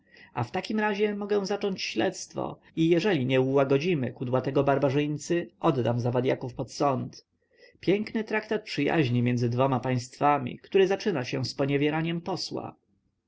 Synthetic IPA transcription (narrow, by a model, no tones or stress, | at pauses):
ʔaft̪akʲimɾaʑɛmɔɡɛ̃w̃zat͡ʂɔɲt͡ɕɕlɛt̪st̪fɔ̰ | ijɛʐɛlʲiɲɛuwaɡɔd͡ʑimɘ̰kud̪wat̪ɛɡɔbaɾbaʐɘj̪t̪sɘʔɔd̪d̪amzavad̪ʲjakufpɔt̪sɔnt̪ | pʲjɛŋknɘt̪ɾakt̪at̪̚pʂɘja̰ʑɲimʲɛnd̪zɘd̪vɔmapaj̃st̪famʲḭkt̪uɾɘzat͡ʂɘnaɕɛspɔɲɛvʲjɛɾaɲɛmpɔswa̰